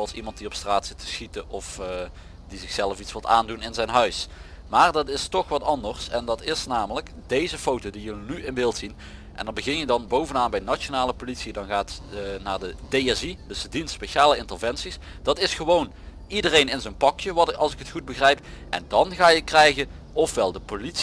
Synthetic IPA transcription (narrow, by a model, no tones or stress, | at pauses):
zowɑlˠsimɑnt̚diɔpstraːtsɪ̥tʰːə̥sxitəɔf | dizɪxsɛləfitsʋɪlˠta̰ːndunɪnzɛjnɦœɥsmaːrdɑtɪstɔxʋɑtɑndərsɛndɑtɪsnaːmələkdejzəfowtowdijənyɪnʋɪlˠtsin | ʔɛ̰ndɑnbəɣɪnjədɑnbowvənaːnbɛjnat͡ʃonaːləpolitsidɑnɣaːtnaːɹdədejɛzidəsədinspejʃaːləɪntərvɛnsis | d̥ɑtɪsxəʋown | idərejnɪnzənpɑkjəʋɑlˠsɪkətχud̚bəɣrɛjpʔɛ̰ndɑnɣaːjəkrɛjɣə | ɔfʋɛlˠdəpolits